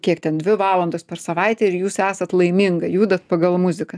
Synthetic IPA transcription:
kʲiɛkt̪ʲɛnd̪ʲʋʲɪʋɑːlˠɐnd̪oːspʲɛɾsɐʋɐɪt̪ʲɛɪɾjuːsæːsɐt̪lˠɐɪmʲɪŋɡɐjuːd̪ɐt̪pɐɡɐlˠmʊzʲɪkɐ

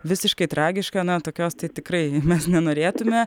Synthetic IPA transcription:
ʋʲɪsʲɪʃkɐɪt̪ɾɑːɡʲɪʃkɐnɐt̪oːkʲoːst̪ɐɪt̪ʲɪkɾɐɪmʲɛsnʲɛnoːɾʲeːt̪ʊmʲɛ

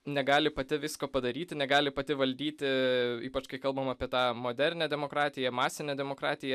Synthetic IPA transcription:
nʲɛɡɑːlʲɪpɐt̪ʲɪʋʲɪskoːpɐd̪ɐɾʲiːt̪ʲɪnʲɛɡɑːlʲɪpɐt̪ʲɪʋɐlʲd̪ʲiːt̪ʲɪiːpɐt͡ʃkɐɪkɐlˠbɐmɑpʲiɛt̪ɑːmoːd̪ʲɛɾʲnʲɛːd̪ʲɛmoːkɾɑːt̪ʲɪjɛmɑːsʲɪnʲɛːd̪ʲɛmoːkɾɑːt̪ʲɪjɛ

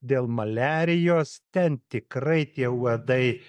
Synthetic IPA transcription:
d̪ʲeːlˠmɐlʲæːɾʲɪjoːst̪ʲɛnt̪ʲɪkɾɐɪt̪ʲiɛuɔd̪ɐɪ

